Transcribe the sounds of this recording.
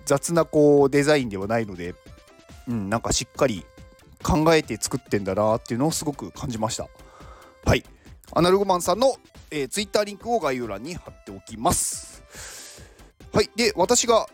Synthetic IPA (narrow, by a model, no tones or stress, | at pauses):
d͡zat͡sɨnako̞ːd̪e̞zaĩnd̪e̞βanaino̞d̪e̞ | ɯ̟̃ɴnãŋkaɕikːaɾʲi | kʰãŋɡae̞t̪e̞t͡sɨ̥kɯ̟t̪ːẽ̞nd̪anaːt̪ːe̞iɯ̟noosɨɡo̞kɯ̟kʰãɲ̟d͡ʑimaɕi̥t̪a̰ | haia̰naɾɯ̟ɡomãɰ̃sãnːo̞ | eːt͡sɨit̪ːaːɾʲĩŋkɯ̟o̞ɡaiɯɾãɲ̟ːihat̪ːe̞okʲimasɨ̥ | haid̪e̞βat̪aɕiɡa